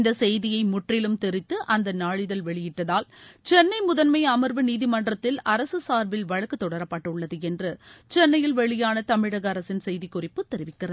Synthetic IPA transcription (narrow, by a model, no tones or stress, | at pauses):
nd̪ɐsɛjðɪjɐɪmʊʈrɪlɯmt̪ɛɾɪt̪ːɯʔɐnd̪ɐnaːɻɪðɐlʋɛɭɪjɪʈːɐðaːlt͡ʃɛnːɐɪmʊðɐnmɐɪɐmɐɾʋɯniːðɪmɐnɖrɐt̪ːɪlɐɾɐsɯsaːɾʋɪlʋɐɻɐkːɯt̪ːɔɽɐɾɐpːɐʈːɯɭːɐðɯɛndrɯt͡ʃɛnːɐjɪlʋɛɭɪjaːnɐt̪ɐmɪɽɐɣɐɾɐsɪnsɛjðɪkːʊrɪpːɯt̪ːɛɾɪʋɪkːɪrɐðɯ